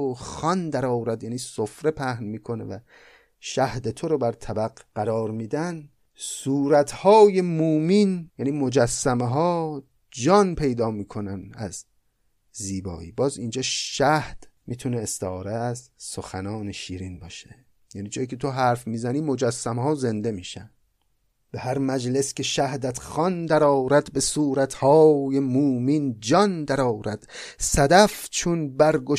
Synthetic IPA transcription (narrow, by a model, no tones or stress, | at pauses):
xɒnd̪æɾɒːwɾæd̪jæːniːsofɾe̞pʰæhnmiːkʰo̞nḛvæ | ʃæhd̪et̪ʰoɾobæɾt̪ʰæbæɡɢæɾɒːɾmiːd̪æn | suːɾæt̪ʰhɒːje̞muminjæːniːmod͡ʒæsːæmeɦɒː | d͡ʒɒnpʰe̞jd̪ɒːmiːkʰo̞nænæz | ziːbɒ̰ːḭːbɒːzind͡ʒɒːʃæhd̪̥miːt̪ʰuneːst̪eːɾeæzsoxænɒːneʃiːɾinbɒːʃe | jæːniːd͡ʒɒːjikcʰe̞t̪ʰoɦæɾfmiːzæniːmod͡ʒæsːæmhɒːze̞nd̪e̞miːʃæn | b̥e̞hæɾmæd͡ʒle̞scʲʰeʃæhd̪æt̪ʰxɒnd̪æɾɒːɾæd̪be̞suːɾæt̪ʰhɒːjemuːmind͡ʒɒnd̪æɾɒːɾæd̪̥sæd̪æft͡ʃʰunbæɾɡo